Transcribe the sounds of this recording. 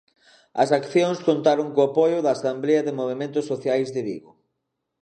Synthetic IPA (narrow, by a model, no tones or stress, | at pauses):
ɐsakθjoŋskont̪aɾoŋkoapojʊðaːsamblɛɐðɪmoβ̞emẽnt̪ʊsːoθjajzðɪβḭɣo